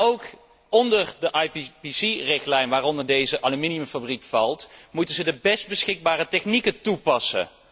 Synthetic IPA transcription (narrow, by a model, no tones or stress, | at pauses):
owk | ɔndəɹdəʔɑjppisirɪχtlɛjnʋaːrɔndəɹdejzəʔɑlyminiməfabrikfɑlˠtmutənzədəbɛst̚bəsχɪɡ̚baːrətɛχnikətupɑsə̰